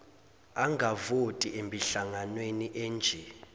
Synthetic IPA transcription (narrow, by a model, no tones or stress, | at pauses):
aŋʱavotʼiʔembʱiɬaŋanweniʔɛːnd͡ʒʱɛ